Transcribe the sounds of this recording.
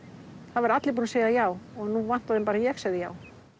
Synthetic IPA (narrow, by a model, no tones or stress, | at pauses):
θaðvaɾat̪lɪɾp̬unaseːjðajaːwɔɣnuvan̥t̪aðɪmpaːɾajɛɣsaɣðɪja̰ːw